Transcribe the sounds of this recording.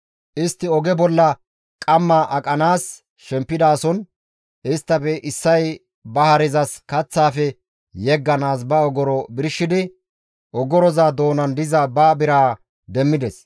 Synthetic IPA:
ʔɪst̪ːɪɔɡɛbɔlːɐ | kʼɐmːɐʔɐkʼɐnaːs | ʃɛmpːɪd̪aːsɔn | ʔɪst̪ːɐpɛʔɪsːɐj | bɐhɐɾɪzɐskɐt͡sːaːfɛ | jɛɡːɐnaːs̬bɐɔɡɔɾɔbɪɾʃːɪd̪ɪ | ʔɔɡɔɾɔzaːd̪o̞ːnɐnd̪ɪzɐbaːbɪɾaː | d̪ɛmːɪd̪ɛs

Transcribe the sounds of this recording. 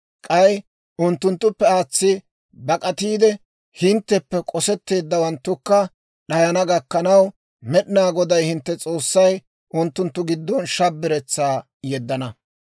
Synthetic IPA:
kʼɐj | ʔʊnt̪ːʊnt̪ːʊpːɛaːt͡sːɪ | bɐkʼɐt̪iːd̪ɛ | hɪnt̪ːɛpːɛkʼɔsɛt̪ːe̞ːd̪ːɐwɐnt̪ːʊkːɐ | ɗɐjɐnɐɡɐkːɐnɐw | mɛɗɪnaːɡɔd̪ɐjhɪnt̪ːɛt͡sʼo̞ːsːɐj | ʔʊnt̪ːʊnt̪ːʊɡɪd̪ːɔnʃɐbːɪɾɛt͡sːaː | jɛd̪ːɐnɐ

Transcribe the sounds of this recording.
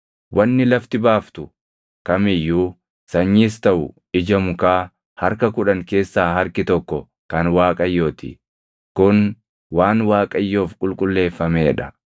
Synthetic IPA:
wɐnːɪlɐft̪ɪbaːft̪ʊ | kɐmɪjːuː | sɐɲːiːst̪ɐʔʊ̰ | ɪd͡ʒɐmʊkaː | hɐɾkɐkʊᶑɐŋke̞ːsːaːɦɐɾkɪt̪ɔkːɔ | kɐnwaːkʼɐjːo̞ːt̪ɪ̰ | kʊn | waːnwaːkʼɐjːo̞ːfkʼʊlkʼʊlːe̞ːfːɐme̞ːᶑɐ

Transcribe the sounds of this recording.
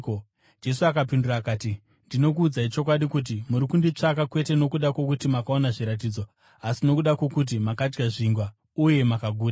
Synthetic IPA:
d͡ʒe̞s̬uakapindurakaːti | ndino̞k̬uːd͡zait͡ʃo̞k̬waɗikut̬imuɾikundit͡ʂakakwe̞te̞no̞kuɗakwo̞k̬utimakao̞naʐiɾat̬iːd͡zo̞ | asino̞kuɗakwokut̬imakad͡ʒɡaʐiŋɡwa | uje̞makaɡʱuːɾa

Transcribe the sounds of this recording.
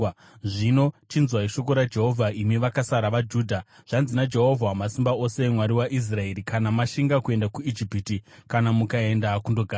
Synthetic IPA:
ʐinot͡ʃinzwaiʃo̞k̬o̞ɾad͡ʒe̞ɦo̞vʱaimiʋakasaɾaʋad͡ʒuːdʱa | ʐ̥anzinad͡ʒe̞ɦo̞vʱamasimbao̞semwaɾiwaʔis̬rae̞ɾikanamaʃiŋɡakue̞ndakuid͡ʒipitikanamukae̞ndakundo̞ɡʱaː

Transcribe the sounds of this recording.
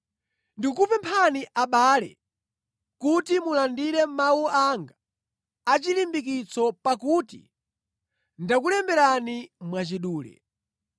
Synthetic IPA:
ndikupɛmpʰaniʔaɓaːlɛ̰ | kutimulandiɾɛm̩mawuaŋɡaː | t͡ʃilimbikit͡sɔpakutḭ | ndak̬ulɛmbɛɾanimwat͡ʃiɗuːlɛ̰

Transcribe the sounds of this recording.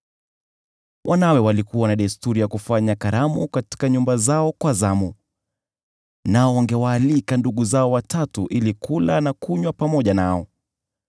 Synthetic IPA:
wʔanawɛwalikuwanaɗaistuɾijakufaɲakaɾamukati̥kaɲumbazaɔkwazamu | naɔwaŋɡɛwaːlikanduɠuzaɔwatatuʔilikulanakuɲwapamɔʄanaɔ

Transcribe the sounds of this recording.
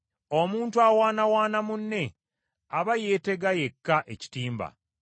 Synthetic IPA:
omuːntuawaːnawaːnamunːe̞ | aβaje̞ːte̞ɡaje̞kːaʔe̞ci̥tiːmba̰

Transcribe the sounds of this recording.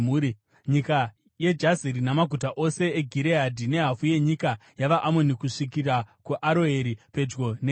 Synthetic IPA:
uːi | ɲika | je̞d͡ʒaziɾinamaɡʱutaʔo̞se̞eɡʱiɾeɦadʱine̞ɦafuje̞ɲikajaʋaʔamonikuʂikirakuʔaɾo̞eɾipe̞d͡ʒɡo̞ne

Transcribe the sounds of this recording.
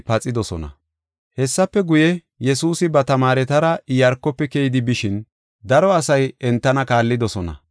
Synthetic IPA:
pɐt͡sʼɪd̪ɔsɔ̰nɐ̰ | hɛsːɐpːɛɡʊjɛ | jɛsuːsɪbɐt̪ɐmaːɾɛt̪ɐɾɐjɐɾkːɔpːɛkɛjɪd̪ɪbɪʃɪn | d̪ɐɾɔɐsɐjɛnt̪ːɐnɐkaːlːɪd̪ɔsɔnɐ̰

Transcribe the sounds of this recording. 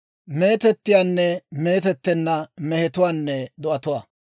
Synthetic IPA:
me̞ːt̪ɛt̪ːɪjaːnːɛme̞ːt̪ɛt̪ːɛnːɐmɛhɛt̪ʊwaːnːɛd̪ɔʔɐt̪ʊwaː

